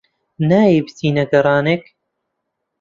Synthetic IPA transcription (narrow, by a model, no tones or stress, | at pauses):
naːjibɨsiːnɐɡɐɾˤɑːnek